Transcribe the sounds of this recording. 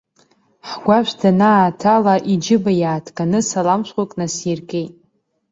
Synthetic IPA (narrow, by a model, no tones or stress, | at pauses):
ħɡʷaʃʷtʰanatʰalaʔid͡ʒɪbajaːtʰkʼanɨsalamʃʷqʷakʼnasirkʼejtʼ